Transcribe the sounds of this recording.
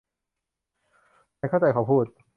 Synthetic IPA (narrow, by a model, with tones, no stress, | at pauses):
aː˧˥jkʰt͡ɕa˧jkʰaː˨˩pʰuː˥˩t̪̚